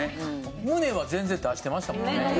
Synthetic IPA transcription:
e | mɯ̟ne̞βazẽnd͡zend̪aɕi̥t̪e̞maɕi̥t̪amõ̞nne

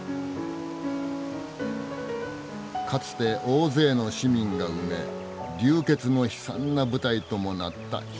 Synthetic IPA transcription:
kat͡sɨ̥t̪e̞ʔo̞ːze̞ːno̞ɕimʲĩŋɡaɯ̟me̞̰ | ɾʲɨːke̞t͡sɨno̞çi̥sã̰nːabɯ̟t̪ait̪o̞mo̞nat̪ːa̰

